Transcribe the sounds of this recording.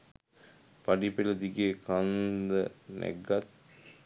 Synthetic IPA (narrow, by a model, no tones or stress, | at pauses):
paɖipeləd̪iɡekand̪ənʔæ̰ɡat̪̚